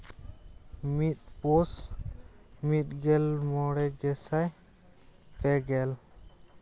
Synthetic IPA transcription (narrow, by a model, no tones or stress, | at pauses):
mit̪̚pɔs | mit̪̚ɡɛlmɔɽɛɡɛsaj | p̪ɛɡɛl